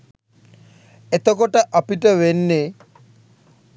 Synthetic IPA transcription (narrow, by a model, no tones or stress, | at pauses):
et̪okoʈaʔapiʈawenːe